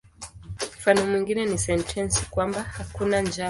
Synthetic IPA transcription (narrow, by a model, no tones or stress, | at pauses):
m̩fanɔmwiŋɡinɛnisɛntʰɛnsi̥kwambahakunand͡ʒa